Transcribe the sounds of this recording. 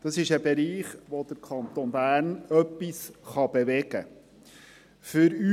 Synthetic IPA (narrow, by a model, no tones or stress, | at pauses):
d̥̪ɑsɪʃəbɛɾiːχʋod̥̪əɾkʰɑnt̪onbæːɾnœpːisχɑb̥ɛʋɛɡ̥ə | fʏɾy